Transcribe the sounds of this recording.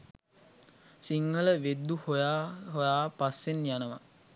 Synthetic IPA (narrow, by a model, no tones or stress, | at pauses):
siŋːələʋed̪ːuhojaːɦojaːpasːenjanəʋa